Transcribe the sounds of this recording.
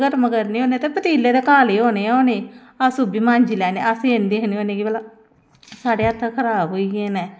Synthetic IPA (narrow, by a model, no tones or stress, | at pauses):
ɡəɾməɡəɾnĩːɦoːnet̪eːpət̪iːlːeːd̪eːkaːleːoːneːoːneː | asuːbiːmãːɲd͡ʒiːlɛːnḛːʔaseend̪iːɦəniõːneːkibəlaː | saːɽeːat̪ʰːaːkʰəɾaːbɦoːiːɡeːneː